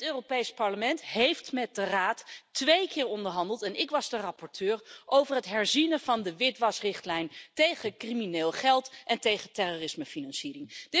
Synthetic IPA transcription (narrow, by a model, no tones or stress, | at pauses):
ətøːropejspɑɹləmɛntɦejftmɛt̚dəraːtʋejkɪːɹɔndəɹɦɑndəlˠtɛnɪkʋɑzdərɑpɔɹtʰøːɹʔowvərɦətɦɛɹzinəvɑndəʋɪtʋɑsrɪχtlɛjntejχəkrimineːlˠχɛlˠtʔɛntejχətɛroːrɪsməfinɑnsiːrɪŋd̥ɪ